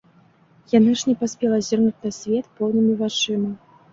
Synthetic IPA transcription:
janaʂnʲɛpasʲpʲɛlˠɐzʲirnut͡sʲnasʲvʲɛt̪pɔwnɨmʲivat͡ʂɨmɐ

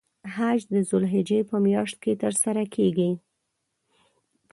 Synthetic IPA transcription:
ɦad͡ʒd̪əzʊlɦɪd͡ʒepəmjɑʂt̪̚ket̪əɾsaɾakʰeɡi

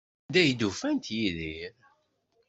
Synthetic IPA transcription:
d̪æjd̪ufænt̪jiðiɾ

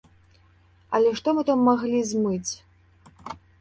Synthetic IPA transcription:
ɐ̰lʲɛʂt̪ɔmɨt̪amːaɣlʲizʲmɨt͡sʲ

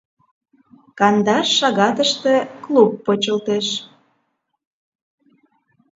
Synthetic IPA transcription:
kɑnd̪ɑʃːɑɣɑt̪əʃt̪ĕklupːot͡ɕəlt̪eʃ

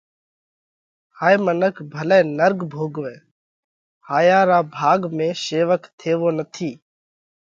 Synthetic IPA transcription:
haːiːmənəkʰbʱəlɛːnəɾɡbʱoːɡʋẽː | haːjaːɾaːbʱaːɡmẽːseːʋəkt̪ʰeːʋoːnət̪ʰiː

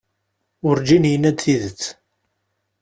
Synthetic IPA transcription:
ʊɾd͡ʒinjənæd̪θiðət͡sː

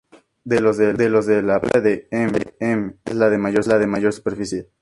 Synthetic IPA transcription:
d̪elo̞zðed̪elo̞zðelaβla̰ðeemveemḛzlaðe̞maʝo̞ɾlaðe̞maʝo̞ɾsu̥peɾfisje

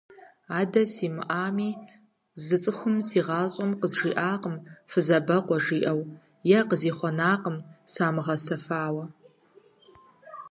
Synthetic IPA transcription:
aːdɐsiːmɨ̰ʔaːmiː | zɨt͡sʼɨxʷʊmsiːʁɑːɕʼɔmqəzʒiːʔaːqəmfɨzɐbɐqʷɔʒiːʔɐw | jɛqəziːχʷɔnaːqəmsaːmɨʁɐsɐfaːwɐ

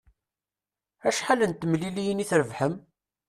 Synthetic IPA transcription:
æʃħalənt̪ːəmlilijəniθɾəvħəm

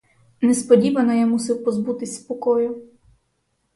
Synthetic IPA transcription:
nɛspɔdʲiʋɐnɐjamusɪwpɔzbut̪ɪsʲspɔkɔjʊ

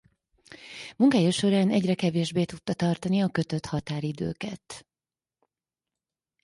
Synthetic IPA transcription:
muŋkaːjoʃo̞ɾaːnɛɟrɛkɛveːʒbeːt̪ut̪ːɒt̪ɒrt̪ɒniɒkø̞t̪ø̞t̪hɒt̪aːɾid̪ø̰ːkɛt̪

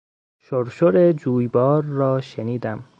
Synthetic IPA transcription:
ʃoɾʃoɾed͡ʒuːjbɒːɾːɒːʃeniːd̪æm

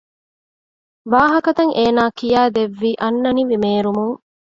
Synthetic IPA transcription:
ʋaːɦɐkɐt̪ɐŋʔeːnaːkijæːd̪eʋːiːʔɐnːɐniʋimeːɾumuŋ

